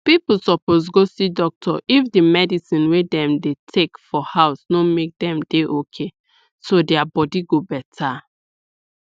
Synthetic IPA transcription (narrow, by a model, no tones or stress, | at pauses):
pipusɔpos̬ɡosidɔk̚tʰɔʔifdimɛdisĩnwedɛ̃mdetʰekfɔhaʊsnomek̚dɛ̃mdeʔokʰe | sodɛabɔdiɡobɛtʰa